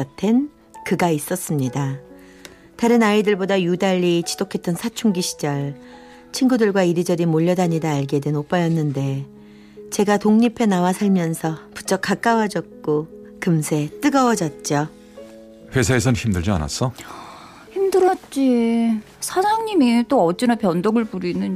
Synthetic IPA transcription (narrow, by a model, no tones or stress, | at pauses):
ʌtʰe̞n | kɯɡais͈ʌs͈ɯmɲida | taɾɯnaidɯɭbodajudaʎːit͡ɕi̥dokʰe̞t͈ʌnsʰat͡ɕʰuŋɡiɕʰi̥d͡ʑʌɭ | t͡ɕʰinɡudɯɭɡwaiɾid͡ʑʌɾimoʎːʌdaɲidaːɭɡe̞dwenop͈ajʌnːɯnde̞ | t͡ɕe̞ɡatoŋɲipʰe̞nawasʰaɭmjʌnsʰʌpu̥t͡ɕ͈ʌk͈ak͈awʌd͡ʑʌt̚k͈o | kɯmsʰe̞t͈ɯɡʌwʌd͡ʑʌt̚t͡ɕ͈ʌ | ɸwe̞sʰaesʰʌnçimdɯɭd͡ʑia̰na̰s͈ʌ | çimdɯɾʌt̚t͡ɕ͈i | sʰasʰaŋɲimit͈oʌt͡ɕ͈inapjʌndoɡɯɭpuɾinɯn